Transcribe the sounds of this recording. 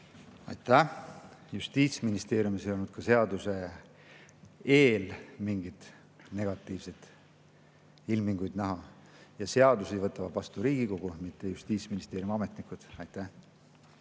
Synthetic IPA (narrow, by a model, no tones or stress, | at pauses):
ɑ̰jt̪ˑːæ | just̪iːt̪sminist̪e̞ːɾjumisejonud̪̚kɑse̞ɑd̪̥use̞ | eːlmiŋɡit̪ | ne̞ɡ̥ɑt̪ːˑiːvse̞t̪ | ilmiŋɡujd̪næɦɑ | jɑse̞ɑd̪usivɤt̪ːˑɑvɑvɑst̪uɾiːɡ̥iko̞ɡ̥umit̪ːe̞just̪iːt̪sminist̪eːɾjumɑme̞t̪ˑnikˑud̪̥ɑjt̪ˑːæh